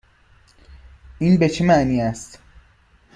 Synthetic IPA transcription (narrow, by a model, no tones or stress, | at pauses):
ʔiːnbe̞t͡ʃʰemæʔniːæst̪